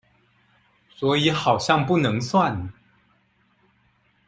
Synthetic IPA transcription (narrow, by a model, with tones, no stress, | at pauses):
swɔ˧˥i˨˧˥xɑ˨˩ʊɕjɑ˥˧ŋpu˥˩nɤ˧˥ŋswa˥˨n